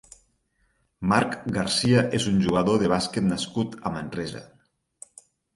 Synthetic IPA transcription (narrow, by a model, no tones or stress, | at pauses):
maɾkɡaɾsiaʔezunʲʒuɣaðoðeβ̞asket̪naskut̪amenrɛza̰